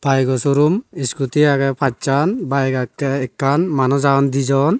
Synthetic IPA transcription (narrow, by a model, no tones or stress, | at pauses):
b̥ajɡɔsuɾumiskut̪iaɡɛpʰat͡ʃanbajɡakːɛɛkːanmanɔzaɔnd̪id͡ʒɔn